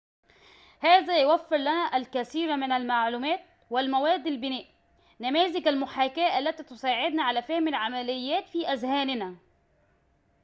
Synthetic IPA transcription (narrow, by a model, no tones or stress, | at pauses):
hæːzæjwæfːɪɾlænæʔælkæθiːɾmɪnælmaʕluːmæːt̪̚ | wɪlmæwæːd̪ːalbɪnæːʔ | næmæːzɪkælmʊħaːkæːʔælːæt̪iːt̪ʊsˤaːʕɪd̪naʕalæːfæhmalʕamælɪjːæːt̪fiːʔæzhæːnɪnæ